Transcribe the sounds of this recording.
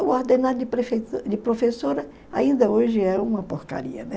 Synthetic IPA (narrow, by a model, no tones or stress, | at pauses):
ʊoɾd̪ẽnad̪ʊd͡ʒɪɾefed͡ʒɪpɾofesoɾɐ | aĩnd̪ɐoʒɪɛũmɐpoɾka̰ɾḭɐnɛ